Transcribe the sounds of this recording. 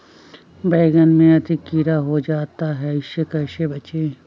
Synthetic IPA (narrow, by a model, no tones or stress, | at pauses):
bɛːɡənmẽɐd̪ɪkːiːɾaɦod͡ʒaːt̪aɦɛɪʃekɐʃebɐt͡ʃeː